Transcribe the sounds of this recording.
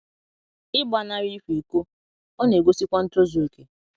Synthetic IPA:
ɪ˦ba˨na˦ɾi˦fi˨ko˦ | ɔ˦ne˨ɡʷo˦si˦kʷa˦n̩˦tɾo˦zo˨e˨ke˨

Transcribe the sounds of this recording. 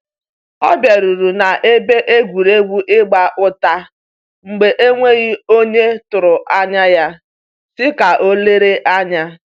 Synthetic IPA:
ɔ̰˦bje˨ɾu˨ɾu˨na˨ʔe˦be˦ʔe˦ɡʷu˨ɾe˦ɡʷu˦ʔɪ˦ɡ͡ba˦ʔʊ˦ta˦ | ŋ͡m̩˨ɡ͡be˨ʔe˦ŋʷe˦ɣi˦o˦ɲe˦tʊ˨ɾʊ˨a˦ɲa˦ja˦ | sɪ˦ka˨ʔo˦le˦ɾe˦ʔa˦ɲa˦

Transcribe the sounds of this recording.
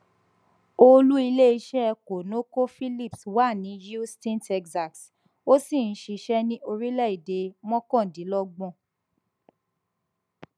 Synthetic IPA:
o˧lu˦i˧le˦i˧ʃɛ˦˧ko˨nõ˦ko˦fi˦li˦˨pswa˦˨nĩ˨˦ju˦stĩ˦ntɛ˧ksa˨ks | o˦si˦˨n̩˦ʃi˧ʃɛ˦nĩ˦ʔo˧ɾi˦lɛ˦˨i˨de˨˦mɔ̃˦kɔ̃˦˨dĩ˨˦lɔ˦ɡ͡bɔ̃˦˨

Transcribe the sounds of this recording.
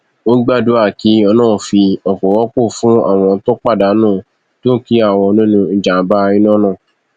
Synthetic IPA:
o˦ɡ͡ba˦˨du˦a˦˨ki˨˦ɔ˧nãː˦˨fi˧ɔ˨k͡pɔ˨wɔ˦k͡po˦˨fũ˦a̰˦˨w̃ɔ̃˧˦to˦k͡pa˦˨da˨˦nãː˦˨ | to˦ki˦a˦˨w̃ɔ̃˧nĩ˦nũ˧n̩˨d͡ʒa˨˦ba˦ĩ˦nɔ̃˦nã˦˨

